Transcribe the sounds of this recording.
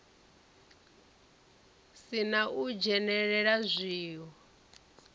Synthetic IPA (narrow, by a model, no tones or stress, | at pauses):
sinaʔud͡ʒɛnɛɺɛɺazʷiːɦɔ